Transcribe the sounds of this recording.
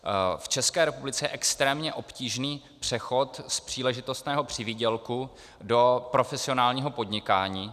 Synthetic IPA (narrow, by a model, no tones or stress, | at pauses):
ft͡ʃɛskɛːɾɛpublɪt͡sɛjɛʔɛkst̪ɾɛːmɲɛʔo̞pciːʒniː | pr̝̥ɛxo̞t̪spr̥iːlɛʒɪt̪o̞st̪nɛːɦo̞pr̝̥ɪviːɟɛlku | do̞pɾo̞fɛsɪo̞naːlɲiːɦo̞po̞dɲɪkaːɲiː